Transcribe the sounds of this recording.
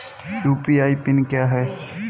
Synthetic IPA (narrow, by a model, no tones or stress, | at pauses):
juːpiaːipɪnkjaɦɛː